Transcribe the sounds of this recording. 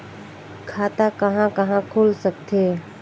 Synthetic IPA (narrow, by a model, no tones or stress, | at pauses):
kʰaːt̪akɐɦãkɐɦãkʰoːlsəkt̪eː